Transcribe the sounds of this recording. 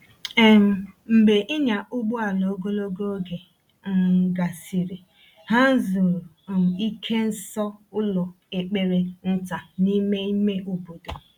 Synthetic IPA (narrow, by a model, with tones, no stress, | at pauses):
e˨m̩˨m̩˨be˨ʔɪ˦ɲa˨ʊ˦ɡ͡bʊ˦a˨lo˨o˦ɡo˦lo˦ɡo˦ɡe˨˦ | ɡa˨si˨ɾi˨ | ɦa˦n̩˦zo˨ɾi˦kʰe˦n̩˦sɔ˦ʊ˦lɔ˨ | e˨k͡pe˨ɾe˦n̩˦ta˨ni˦me˦i˦me˦ʔu˦bo˨do˨